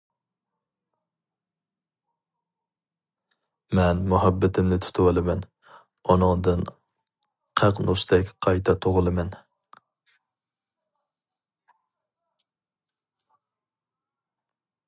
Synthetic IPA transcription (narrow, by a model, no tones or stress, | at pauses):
mɛnmuɦæbːɪt̪ʰɪmnɪt̪ʰu̥t̪ʰuwɑlˠɨmɛn | ɔnɨŋd̪ɨn | qʰæqnoʃt̪ʰɛkʲqʰɑjt̪ʰɑt̪ʰoʁʊlˠɨmɛn